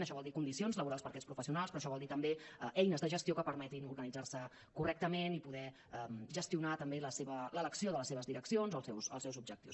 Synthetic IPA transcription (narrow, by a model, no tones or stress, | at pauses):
nəʃɔβɔlˠd̪ikund̪isionzləβuɾalspəɾkɛspɾufəsiunalˠspɾɔːʃɔβɔlˠd̪it̪əmbeɛjnəzðəʒəst̪jokəpəɾmɛt̪inuɾɣənid͡zaɾsə | kurɛk̚t̪əmenipuðɛ | əmʒəst̪iunat̪əmbeləseβələləksioðələseβəzðiɾəksionzoəlˠsɛwsə̰lˠsɛwzub̚ʒəkt̪iws